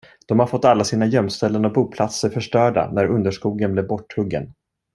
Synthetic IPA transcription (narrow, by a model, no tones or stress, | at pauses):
d̪̥ɔmhaɾfɔt̪ːalːasiːnajœmst̪ɛlːənɔk̚buːpʰlat̪səɾfœʂʈœːɖa̰næɾɵnd̪əʂkuːɡənblɛvbɔʈʰːɵɡːə̰n